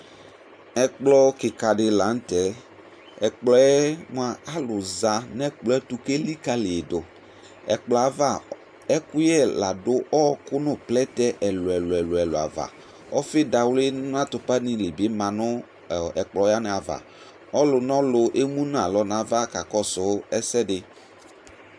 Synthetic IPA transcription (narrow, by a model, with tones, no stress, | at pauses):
ɛ˨k͡plɔ˧kɪ˨ka˨dɪ˨la˨˦n̩˦tɛ˨˦ | ɛ˨k͡plɔ˨˦ɛ˦m˨a˨a˦lʊ˨za˨nɛ˦k͡plɔ˨˦ɛ˦tu˧ke˦li˦ka˦lɪ˨e˨dʊ˨ | ɛ̰˨k͡plɔ˨a˨va˦˨ | ɛ˦kʊ˦jɛ˦˨la˨dʊ˦ʔɔ˦kʊ˦nʊ˦˨plɛ˦tɛ˦ʔɛ˨lʊ˨ɛ˨lʊ˨ɛ˨lʊ˨ɛ˨lʊ̰˨a̰˨va̰˨ | ɔ˦fɪ˦da˨wlɪ˦n˦n˦ã˦tʊ˨pa˦ni˨lɪ˨be˨˦mã˨nʊ˦˨ | ɛ˨k͡plɔ˨˦ja˦nɪ˨a˨va̰˨ | ɔ˦lʊ˨nɔ˦lʊ˧ʔe˦mu˦n˦a˨lɔ˦n˨a˨va˦ka˨kɔ˦sʊ˨˦ɛ˦sɛ˦dɪ˨